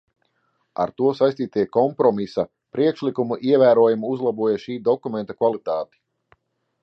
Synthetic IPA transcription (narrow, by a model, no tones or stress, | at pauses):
a̰ɾt̪uɔsajst̪iːt̪iɛkɔmpɾɔmisa | pɾiɛkʃlikumuʔiɛvæːɾuɔjumuuzlˠabuɔjaʃiːd̪ɔkumɛnt̪akvalˠit̪aːt̪i̥